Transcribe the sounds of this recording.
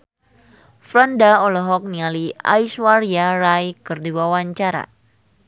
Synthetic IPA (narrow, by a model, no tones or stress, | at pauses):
fɾɔndaɔlɔɦɔk̚nialia̰jswaɾiaɾajkɨrdiwawaɲt͡ʃaɾa̰